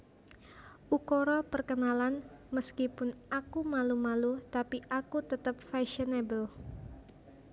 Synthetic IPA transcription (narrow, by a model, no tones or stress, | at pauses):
ʔukoɾɔpərkənalanməskipʊnʔakumalumalut̪apiʔakut̪ət̪əp̚faʃənebəl